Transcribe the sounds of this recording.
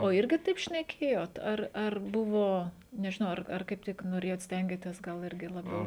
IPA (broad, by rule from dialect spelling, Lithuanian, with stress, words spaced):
oː ˈɪrʲɡʲɪ ˈtɐɪp ʃʲnʲɛˈkʲeːjoːt ˈɐr ˈɐr ˈbʊʋoː nʲɛʒʲɪˈnɐʊ ˈɐr ɐr ˈkɐɪp tʲɪk noːˈrʲeːjoːt ˈsʲtʲɛŋʲɡʲeːtʲeːs ˈɡɐlˠ ˈɪrʲɡʲɪ lˠɐˈbʲɛʊ